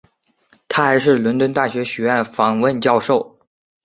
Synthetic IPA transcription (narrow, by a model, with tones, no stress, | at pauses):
t̪ʰa˥xa˧˥ɪʂ̬ɻ̩˥˩lwʊ˧˥nt̪wə˥nt̪a˥˩ɕɥɛ˧˥ɕɥɛ˧˥ɥə˥˩nfɑ˨˩ŋwə˥˧nt͡ɕjɑ˥˧ʊʂo˥˩ʊ